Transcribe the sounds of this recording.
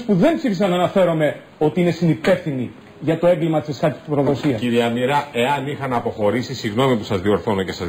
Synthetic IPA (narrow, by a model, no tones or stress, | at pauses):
spuðe̞mpsifisɐnːɐːnɐfe̞ɾo̞me̞ | o̞t̪iine̞sinipe̞fθini | ʝɐt̪o̞e̞ŋɡlimɐt̪i̥sesxɐɾt̪i̥st̪pɾo̞ðo̞siɐsiɾiɐmiɾɐe̞ɐnixɐnɐpo̞xo̞ɾisisiɣno̞mipusɐzðio̞ɾθo̞nocesɐz